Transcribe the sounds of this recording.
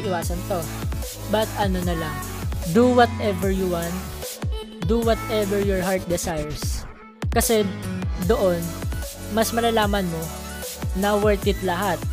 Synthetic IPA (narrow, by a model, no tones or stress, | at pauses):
ʔɪwaːsɐnt̪o̞ | bɐt̪ʔɐnonɐlad̪uwɔt̪ʔɛvɛɹjuwãnt̪̚ | d̪uwɔt̪ɛvɛɹjɔɹɦaɹt̪̚d̪ɛsajɛɹs | kɐsɛd̪oʔo̞n | mɐsmɐlɐlaːmɐnmo | nɐwɛɹt̪ɪt̪lɐɦat̪̚